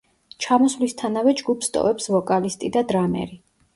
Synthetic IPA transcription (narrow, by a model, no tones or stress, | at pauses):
t͡ʃʰamɔsvlist̪ʰanavɛd͡ʒɡupʰst̪ʼɔ̰vɛpsvɔkʼalist̪ʼid̪ad̪ɾamɛ̰ɾi